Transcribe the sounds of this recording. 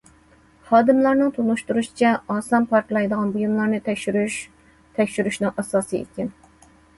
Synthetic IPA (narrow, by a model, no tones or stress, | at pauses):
hɑːd̪ɨmlˠɑɾnɨŋt̪ʰunuʃt̪uɾuʃi̥t͡ʃʰɛɑːsɑmpʰɑɾklˠɑjd̪əʁɑnbujumlˠɑɾnɨt̪ɛʃyɾyʃ | t̪ʰɛkʲʃyɾyʃnɨŋʔɑsɑːsɨḛkʲɪn